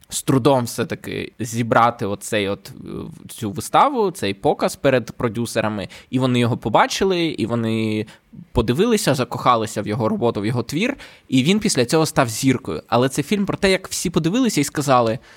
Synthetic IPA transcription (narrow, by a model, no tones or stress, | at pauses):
st̪ɾʊd̪ɔmwsɛt̪ɐkɪ̰zʲibɾʔɑt̪ɪɔt̪sɛjɔt̪t͡sʲuʋɪst̪ɑʋʊt̪sɛjpɔkɐspɛɾed̪pɾɔdʲuseɾɐmɪiʋɔnɪjɔɦɔpɔbɑt͡ʃɪlˠɪḭʋɔnɪ | pɔd̪ɪʋɪlˠɪsʲɐzɐkɔxɑlˠɪsʲɐwjɔɦɔɾɔbɔt̪ʊwjɔɦɔt̪ʋʲir | iʋʲinpʲisʲlʲɐt͡sʲɔɦɔst̪ɑwzʲirkɔjʊ̰ɐlˠɛt̪sɛfʲilʲmpɾɔt̪ɛjɐkw̥sʲipɔd̪ɪʋɪlˠɪsʲɐiskɐzɑlˠɪ